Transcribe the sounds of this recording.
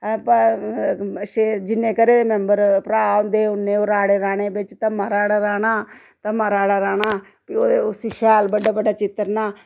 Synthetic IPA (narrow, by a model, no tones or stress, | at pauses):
p | ʃed͡ʒɪnːẽːkəɾeːmɛmbəɾpɾaːnd̪eːʊnːẽːoːɾaːɽeːɾaːɽeːbɪt͡ʃt̪ãmaːɾaːɽaːɾaːɽaː | t̪amaɾaːɽaːɾaːɽaː | pioːʊsiːʃɛːlbəɖaːbəɖaːt͡ʃɪt̪ːəɾnaː